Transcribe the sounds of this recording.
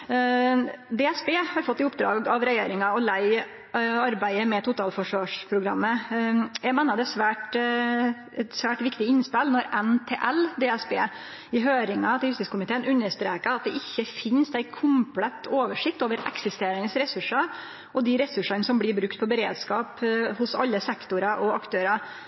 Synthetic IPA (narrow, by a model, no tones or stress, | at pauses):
d̪ɛːɛsbeːhɑɾfɔt̪ːɪʊp̚d̪ɾɑ̰ːɡɑʋɾɛjḛːɾɪŋɑɔlæɪ | ɑɾbæɪəmɛt̪ʰʊt̪ʰɑːlfɔʂʋɑːʂpʰɾʊɡɾɑ̰mːəjæɪmɛːnːɑd̪ɛt̪sʋæːʈ | ɛt̪sʋæːʈʋɪkt̪ɪɪnspɛlnɔɾɛnt̪ʰeːʔæld̪eɛsbḛː | ɪɦøːɾɪŋɑt̪ɪjʉst̪ɪskʰʊmɪt̪ʰeːənʉnːəʂt̪ɾeːkəɑt̪̚d̪ɛʔɪçːəfɪnsæɪkʰʊmplɛt̪oːʋəʂɪk̚t̪oːʋəɾɛ̰ksɪst̪eːɾənəsɾɛsʉʂɑ | ʔɔd̪ɪɾɛsʉʂɑnəsɔmblɪɾbɾʉkt̪̚pʰɔbəɾeːd̪skɑːphʊsɑ̰lːəsɛkt̪ʊɾɑʔɔɑkt̪ʰøːɾɑ